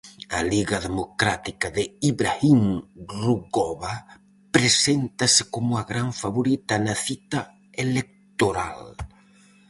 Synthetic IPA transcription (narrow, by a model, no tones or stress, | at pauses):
ɐliɣɐðemokɾat̪ikɐðɪiβɾaimruɣɔβa | pɾesent̪ɐsɪkomʊaɣɾaɱfaβoɾit̪ɐnɐθit̪a | elek̚t̪oɾa̰l